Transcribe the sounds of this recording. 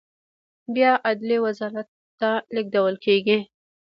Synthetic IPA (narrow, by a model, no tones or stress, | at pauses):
bjɑʔad̪liwazɑɾat̪ːalɪɡ̚d̪awəlkeɡi